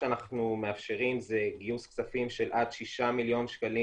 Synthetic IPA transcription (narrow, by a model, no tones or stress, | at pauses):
anaχnume̞afʃe̞ʁimze̞ɡiuskt͡safimʃe̞lʔad̪ʃiʃamiljo̞nʃkali